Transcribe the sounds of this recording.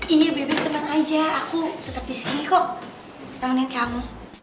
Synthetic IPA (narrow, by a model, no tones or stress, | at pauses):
ijabebɛt̪əmanad͡ʒaːkut̪ət̪ap̚disinikɔk̚ | daŋnankamu